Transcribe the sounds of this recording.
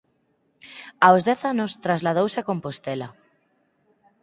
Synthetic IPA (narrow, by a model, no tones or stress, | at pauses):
awzðɛθanost̪ɾazlað̞owsakompost̪ela